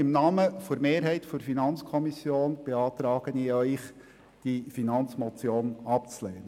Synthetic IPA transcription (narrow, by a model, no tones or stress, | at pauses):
ɪmnɑːməfoɾmeːɾɦɛɪtfʊɾfinɑnt͡skʰɔmisjoːnb̥eɑːt̪ɾɑːɡ̥əniœʏχ | d̥ifinɑnt͡smɔt͡sjoːnɑp̚t͡sleːnə